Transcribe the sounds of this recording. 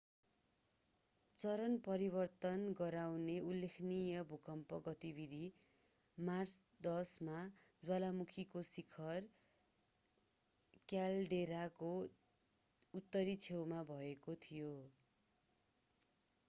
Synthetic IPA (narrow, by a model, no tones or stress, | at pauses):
t͡sʌɾʌnpʌɾibʌrt̪ʌnɡʌɾawneulːekʰnijʌbʱukʌmpʌɡʌt̪ibid̪ʱi | mart͡sd̪ʌsmad͡zwalamukʰikosikʰʌr | kjalɖeɾako | ut̪ːʌɾit͡sʰewmabʱʌekot̪ʰijo